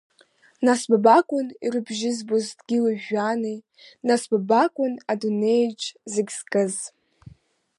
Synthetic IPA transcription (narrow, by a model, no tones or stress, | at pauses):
nasbabakʷʼʊnḭɾɨbʒɪzbozdɡʲɪlaʒane | nasbabakʷʼʊnadune̞jd͡ʒzɪɡʲz̥kʼɨz